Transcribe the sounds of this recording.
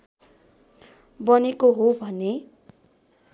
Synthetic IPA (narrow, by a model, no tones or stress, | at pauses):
bʌnekoɦobʱʌne